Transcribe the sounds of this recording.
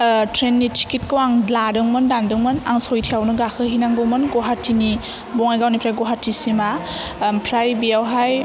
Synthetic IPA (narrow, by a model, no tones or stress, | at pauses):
tʰɾenːitʰi̥kit̚kɯwaŋladɯŋmɯndandɯŋmɯna̰ŋsɔjtʰiawnɯɡakʰɯɦinaŋɡɔmɯnɡɔɦaɾtʰini | bɔŋajɡawnipʰɾajɡɔɦatʰːisima | pʰɾajbiawɦaj